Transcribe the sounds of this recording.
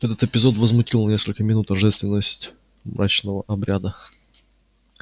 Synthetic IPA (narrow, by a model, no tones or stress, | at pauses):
ɛt̪ət̪ɪpʲɪzo̞t̪vəzmʊtʲilˠnɐnʲe̞skəlʲkəmʲɪnut̪ɐʐɛst̪vʲɪnːəsʲtʲ | mɾat͡ɕnəvəʔɐbɾʲad̪ə